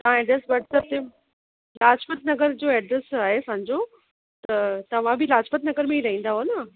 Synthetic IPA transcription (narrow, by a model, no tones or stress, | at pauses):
t̪ɐʋãɛːɖɾesbɐʈt̪ɐb̚t̪e | laːd͡ʑpət̪nɐɡəɾd͡ʑoːɛːɖɾesaːɦesɐ̃ɲd͡ʑo | t̪ɐt̪ɐʋ̤ãbʱilaːd͡ʑpət̪nɐɡəɾmẽiɾɐɦĩːn̆d̪aɦoːnɐ